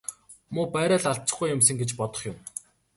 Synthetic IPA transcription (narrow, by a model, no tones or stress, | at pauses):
mʊːpæːɾaːɮaɬt͡sə̆χɡujːʊmsə̆ŋɡet͡ɕpɔt̪ɞ̥̆χjʊm